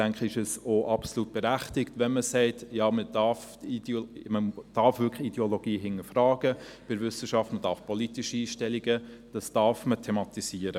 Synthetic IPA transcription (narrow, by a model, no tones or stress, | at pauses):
d̥æŋkχəɪʃɛsoʔɑpsoluːt̚b̥ɛɾæχtɪktʋɛnməsɛɪtjɑːmədɑf | iməd̥ɑɾfʋʏkχid̥ɛoloɡ̥iːɦɪŋːəfrɑːɡ̥əb̥ɪɾvʏsəʃɑftməd̥ɑːɾfpʰɔlitiʃiiːʃtɛliɡəd̥ɑsd̥ɑɾfmətʰɛmɑtisiːəɾə